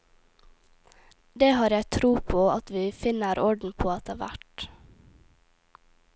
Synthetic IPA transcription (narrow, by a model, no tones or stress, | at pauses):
d̪eːhɑːɾjæɪt̪ʰɾuːpʰoːɑt̪ʋiːfɪnəɾɔɖn̩pʰoːɑt̪̚d̪eːʋæ̰ʈ